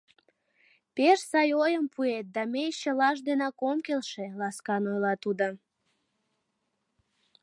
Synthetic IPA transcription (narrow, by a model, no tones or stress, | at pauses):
peʃsɑjojəmpʰuet̪̚d̪ɑmejt͡ɕəlɑʃ̬d̪enɑkomkelʃelɑskɑnojlɑt̪ud̪ə